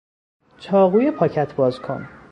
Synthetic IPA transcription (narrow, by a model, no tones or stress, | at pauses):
t͡ʃʰɒːɣuːjepʰɒːcʰæt̪ʰbɒːzkʰo̞̰n